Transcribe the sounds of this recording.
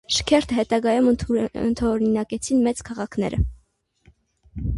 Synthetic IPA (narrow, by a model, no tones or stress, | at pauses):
ʃə̥kʰɛɾt̪ʰəɦɛt̪ɑɡɑjumə̰nt̪ʰɔɔɾinɑkɛt͡sʰinmɛt͡skʰɑʁɑkʰnɛ̰ɾə̰